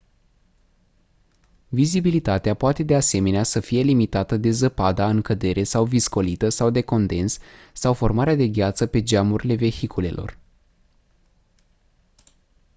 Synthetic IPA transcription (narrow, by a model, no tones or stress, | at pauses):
vizibilit̪at̪eapoat̪e̞d̪ease̞me̞neasəfije̞limit̪at̪əd̪e̞zəpad̪aɨŋkəd̪e̞ɾʔe̞sawvisko̞lit̪əsawd̪e̞ko̞nd̪e̞nssawfo̞rmaɾead̪e̞ɡʲat̪səpe̞d͡ʒamuɾile̞ve̞çikʰule̞̰lʔo̞̰r